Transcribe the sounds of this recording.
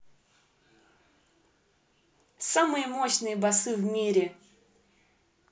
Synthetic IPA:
samɨjəmoɕnɨjəbasɨvmʲiɾʲɪ

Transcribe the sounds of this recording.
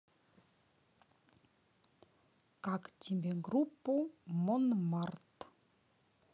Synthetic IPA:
kakt̪imbeŋɡɾupːumɔnmart̪ə̥

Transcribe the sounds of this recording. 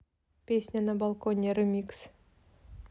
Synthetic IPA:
pʲesʲnʲanabalˠkonʲerɨmʲiks

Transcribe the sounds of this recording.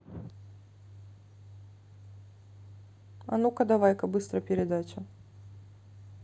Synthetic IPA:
a̰nukɐd̪avajkɐbɨst̪ɾɐpʲɛɾʲɛd̪at͡ʃɐ

